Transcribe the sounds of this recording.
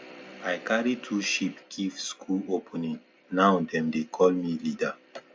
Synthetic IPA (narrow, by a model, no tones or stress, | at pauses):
ajkaɹitʰuʃipɡʰivskʰulopʰɔnĩŋ | naʊdɛ̃mdekʰɔlmilida